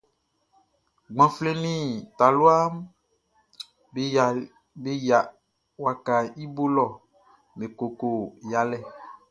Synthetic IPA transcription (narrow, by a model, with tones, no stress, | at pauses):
ɡ͡bã˨fle˦nĩ˦t̪a˨lu˦a˦m˨ | be˦ja˨ | wa˨ka˨i˦bo˦lɔ˦˨ | mẽ˨ko˨ko˨ja˨lɛ˦˨